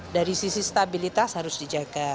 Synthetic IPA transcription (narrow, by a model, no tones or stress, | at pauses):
daɾisisist̪abilit̪ashaɾʊsdid͡ʒaɡa